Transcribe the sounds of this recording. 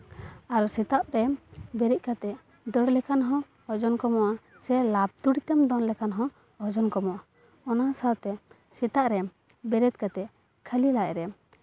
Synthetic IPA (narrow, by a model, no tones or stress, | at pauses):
aɾsɛt̪aʔ̚ɾɛbɛɾic̚kat̪ɛ | d̪əɽlɛkanɦɔ̃ | ɔd͡ʒɔnkɔmɔʔa | sɛlab̚t̪uɽit̪ɛmd̪ɔnlɛkanɦɔ̃ | ɔd͡ʒɔnkɔmɔʔa | ɔnasalt̪ɛ | sɛt̪aʔɾɛ | bɛɾɛt̪̚kat̪ɛ | kʰəlilajɛɾɛ